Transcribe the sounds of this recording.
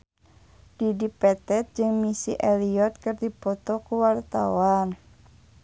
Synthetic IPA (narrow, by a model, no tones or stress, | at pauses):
d̥idipɛt̪ɛt̪̚d͡ʒɨŋmisiʔɛliɔt̪̚kərd̪ib̥ɔt̪ɔkuwart̪a̰wan